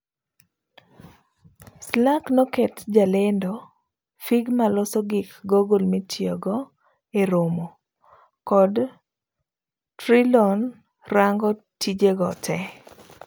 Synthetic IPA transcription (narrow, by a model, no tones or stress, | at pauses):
slaknɔkɛtd͡ʒalendo | fiɡmalɔsɔɡɪkɡoɡolmitʰjɔɡɔ | eɾomo | kɔd | tɾilɔn | raŋɡɔ | tʰid͡ʒeɡɔtʰɛ